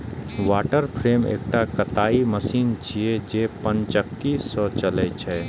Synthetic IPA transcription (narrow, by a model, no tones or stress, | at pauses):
ʋaːʈəɾpʰɾeːmḛːk̚ʈakɐt̪aːiməsiːnt͡ʃied͡ʒeːpənt͡ʃəkːisɔːt͡ʃɐlet͡ʃʰɛː